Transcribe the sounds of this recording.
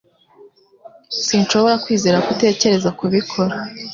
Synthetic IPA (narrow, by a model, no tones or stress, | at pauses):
sinʃo̞βo̞ɾakwiːze̞ːɾakute̞ːce̞ɾe̞zakuβikʰo̞ɾa